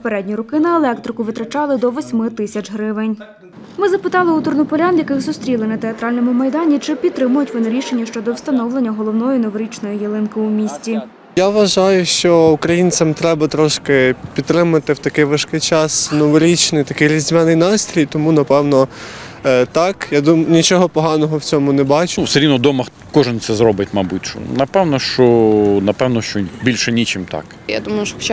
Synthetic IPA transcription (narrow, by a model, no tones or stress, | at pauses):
ppeɾɛdʲnʲiɾʊkɪnɐelˠɛk̚t̪ɾɪkʊʋɪt̪ɾɐt͡ʃɑlˠɪd̪ɔʋɔsʲmɪt̪ɪsʲɐt͡ʃɦɾɪʋɪnʲ | mɪzɐpɪt̪ɑlˠɪut̪ʊrnɔpɔlʲanjɐkɪɣzʊst̪ɾʲilˠɪnɐt̪eɐt̪ɾɑlʲnɔmʊmɐjd̪ɑnʲit͡ʃɪpʲid̪t̪ːɾɪmʊjʊtʲʋɔnɪɾʲiʃe̞nʲːɐʃt͡ʃɔd̪ɔwst̪ɐnɔwlˠenʲːɐɦɔlˠɔʋnɔjinɔʋɔɾʲit͡ʃnɔjijelˠɪnkɪumʲisʲtʲi | jaʋʋɐʒɑjʊʃt͡ʃɔukɾɐjint͡ssʲɐmt̪ɾɛbɐt̪ɾɔʃkɪpʲid̪t̪ːɾɪmɐt̪ɪwt̪ɐkɪjʋɪʃkɪjt͡ʃɑsnɔʋɔɾʲit͡ʃnɪjt̪ɐkɪjɾʲizʲmɛnɪjnɑst̪ɾʲijt̪ɔmunɐpɛwnɔ | t̪ɑkjad̪umnʲit͡ʃɔɦɔpɔɦɑnɔɦɔwt͡sʲɔmʊnɛbɑt͡ʃɪwseɾʲinʊd̪ɔmɐx | kɔʒɪnsɛzɾɔbɪtʲmɐbutʲʃʊ̰nɐpɛwnɔʃt͡ʃɔnɐpɛwnɔʃt͡ʃɔbʲilʲʃɛnʲit͡ʃɪmt̪ɑ̰k | ja̰d̪umɐjʊʃt͡ʃ